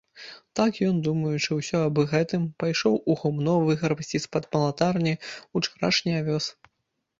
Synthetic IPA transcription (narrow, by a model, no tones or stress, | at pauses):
t̪akjɔnd̪umɐjut͡ʂɨwsʲɔɐbɨɣɛt̪ɨmpajʂɔwʔuɣumnɔvɨɣɐɾpɐsʲt͡sʲispɐd̪pɐlˠat̪arnʲiut͡ʂaɾa̰ʂnʲiavʲɔs